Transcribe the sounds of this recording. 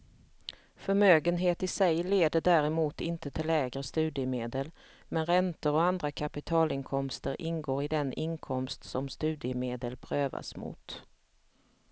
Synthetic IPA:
fœɾmøːɡənɦeːt̪ɪsɛjleːd̪əɖæɾɛmuːt̪ɪnt̪ət̪ʰɪlːɛːɡɾəst̪ʉ̟ːd̪ɪəmeːd̪əl | mɛnɾɛnt̪əɾɔand̪ɾakʰapɪt̪ʰɑːlɪŋkʰɔmst̪əɾʔɪnɡoːɾɪd̪ɛnɪnkʰɔmst̪sɔmst̪ʉ̟ːd̪ɪəmeːd̪əlpʰɾøːva̰smʊ̰ːt̪

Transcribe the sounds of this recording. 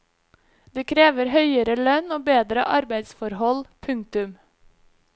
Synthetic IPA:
d̪̥eːkʰɾeːʋəɾhœʏəɾəlœnoːbeːd̪ɾə̰ʔɑɾbæɪd̪sfɔɾhɔlpʰʉŋk̚t̪ʉm

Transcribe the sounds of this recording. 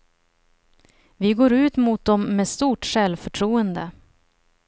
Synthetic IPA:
vɪɡoːɾʉ̟ːt̪mʊt̪̚d̪ɔmːeːst̪uːʈʂɛlvfœʈʰɾuːənd̪ə

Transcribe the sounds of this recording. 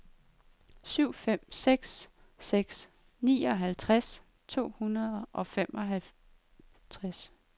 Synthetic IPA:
syʊ̰fem̰seɡ̥sː | eɡ̥s | nḭːɒ̽ɦælt͡sʰʁas | t͡sʰo̝̰ːhunɐðˠʔɒ̽femɒ̽ɦæl | t͡sʰʁas

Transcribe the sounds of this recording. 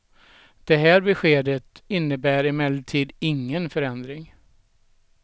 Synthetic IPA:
d̪̥ɛɦæːɾbɛɧeːd̪ət̪ɪnːəbæːɾɪmɛld̪t̪ʰiːd̪ɪŋːənfœɾɛnd̪ɾɪŋ

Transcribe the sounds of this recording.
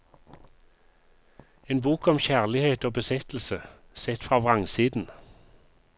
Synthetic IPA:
eːnbuːkɔmçæʁlɪheːt̪oːbəsɛt̪l̩sə | sɛt̪fʁɑːʋʁɑŋsiːd̪n̩

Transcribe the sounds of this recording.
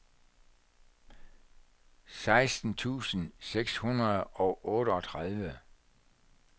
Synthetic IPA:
sɑ̈ɪsd̥n̩t͡sʰṵːsn̩seɡ̥shunʁɐð̩ˠɒ̽ʔɔ̽ːɾəɒ̽t͡sʰʁað̞ˠʋə

